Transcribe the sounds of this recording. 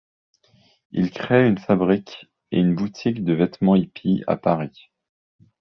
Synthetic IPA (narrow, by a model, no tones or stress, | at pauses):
ḭlkχeynfabʁikʲ | ḛynbut̪ʰikd̪əvɛt̪mɑ̃ipʰia̰paʁi